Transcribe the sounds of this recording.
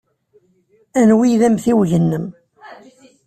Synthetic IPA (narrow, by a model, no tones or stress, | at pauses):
ænwiðæmθiwʝənːəm